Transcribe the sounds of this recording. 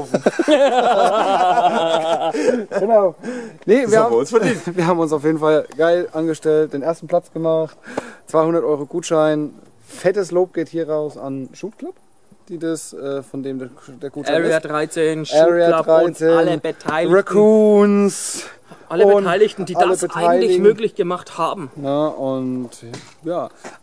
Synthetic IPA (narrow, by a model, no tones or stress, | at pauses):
ɡ̥ənaʊnəviɐhansfɐdiːnviːɐɦaːbm̩ʊnsaʊfjeːdn̩falɡ̥aɪlʔanɡəʃtɛlt̚d̥eːnʔeːɐstn̩plat͡sɡ̥əmaχtt͡sv̥aɪhʊndɐtʔɔʏʁoɡuːtʃaɪn | fɛtəsloːp̚ɡ̥eːthiːɐʁaʊsanʃuːtkʰl̥ap | d̥iːdasʔɛːfɔndeːmdd̥eːɐɡ̥uːtʃadʁaɪt͡seːnɛʁiaʁaɪt͡seːnbətʰaɪʁakʰuːns | ʔaləʊbntaɪlɪçn̩diːaləbətʰaɪllɪmøːklɪçɡ̥əmaχthaːbm̩nəʔʊnt | jaː